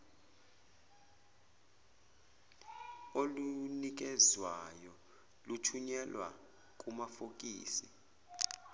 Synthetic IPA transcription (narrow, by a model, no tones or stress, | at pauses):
olunik̬ɛzwajɔ | lutʰuɲɛlwa̰ | k̬ʼumafok̬ʼiːsi